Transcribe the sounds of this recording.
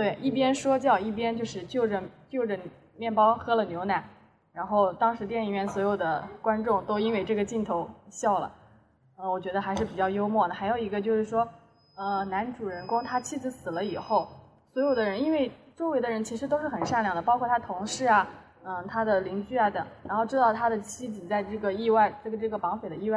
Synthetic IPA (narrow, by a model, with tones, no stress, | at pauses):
t̪we˥˩ɪʔi˥˩pjɛ˥nʂwɔ˥t͡ɕjɑ˥˧ʊi˥˩p̬jɛ˥nt͡ɕjo˥˧ʊʂɻ̩˥˧t͡ɕjo˥˩ʊʈ͡ʂə˩t͡ɕjo˥˩ʊʈ͡ʂə˩ | mjɛ˥˩npɑ˥ʊxɤ˥lə˨njo˧˥ʊna˧˥n | ɻa˧˥nxo˥˩ʊt̪ɑ˥ŋʂɻ̩˧˥t̪jɛ˥˧ni˥˩ɥɛ˥˩nswɔ˧˥jo˨˩ʊd̪ə˦kwa˥nʈ͡ʂʊ˥˩ŋt̪o˥ʊi˥nwe˥˧ɪʈ͡ʂɤ˥˩ɡə˩t͡ɕi˥˩nt̪ʰo˧˥ʊɕjɑ˥˩ʊlə̰˩ | ə˧˩wɔ˨˩t͡ɕɥɛ˧˥d̪ə˧xa˧˥ɪʂɻ̩˥˩pi˨˩t͡ɕjɑ˥˩ʊjo˥ʊmwɔ˥˩d̪ə˩xa˧˥ɪjo˨˩ʊi˧˥ɡə˧t͡ɕjo˥˧ʊʂɻ̩˥˩ʂwɔ˥ | ə˧na˧˥nʈ͡ʂu˨˩ɻə˧˥nkʊ˥ŋt̪ʰa˥t͡ɕʰi˥d͡zɹ̩˧˥sɹ̩˨˩lə˦i˨˩xo˥˩ʊ | swɔ˧˥jo˨˩ʊd̪ə˦ɻə˧˥ni˥nwe˥˧ɪt͡swɔ˥˩we˧˥ɪd̪ə˧ɻə˧˥nt͡ɕʰi˧˥ʂɻ̩̬˧˥o˥ʊʂɻ̩˥˩xə˨˩nʂa˥˩nljɑ˥˩ŋd̪ə˩pɑ˥ʊkʰwɔ˥˩t̪ʰa˥ət̪ʰʊ˧˥ŋʂɻ̩˥˩a˨˩ | ə˧˩t̪ʰa˥d̪ə˨li˧˥ŋt͡ɕy˥˩a˩t̪ɤ˨˩˦ŋɻa˧˥nxo˥˧ʊʈ͡ʂɻ̩˥t̪ɑ˥˩ʊt̪ʰa˥d̪ə˨t͡ɕʰi˥˩t͡sɹ̩˨˩t͡sa˥˧ɪʈ͡ʂɤ˥˩ɡə˩i˥˧wa˥˧ɪʈ͡ʂɤ˥˩ɡə˩ʈ͡ʂɤ˥˩ɡə˩pɑ˧˥ŋfe˨˩ɪd̪ə˦i˥˧wa˥˩